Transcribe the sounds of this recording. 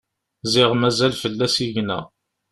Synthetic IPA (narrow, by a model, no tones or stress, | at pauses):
zɪʁmæzælfəlːæsiʝnæ̰